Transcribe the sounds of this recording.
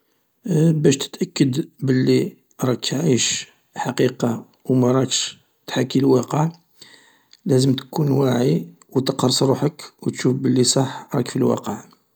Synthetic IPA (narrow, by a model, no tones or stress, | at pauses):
bæʃt̪ə̥t̪ʔækːəd̪bəlːi | ɾˤɑkʕiʃ | ħaqiqɑ | wmæɾˤɑkʃ | t̪ħakːilwɑqəʕ | læzəmt̪kunwaʕi | wt̪əqɑɾˤsˤɾˤuħəkwt̪ʃufbəlːisˤɑħɾˤɑ̰kfilwɑ̰qəʕ